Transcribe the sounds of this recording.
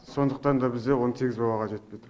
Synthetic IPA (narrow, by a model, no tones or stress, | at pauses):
so̞nd̪əqt̪ɑnd̪ɑbɪzd̪ewo̞nət̪ʰe̞ɡʲɪzbɑwɑʁɑʒe̞t̪̚pejd̪ɪ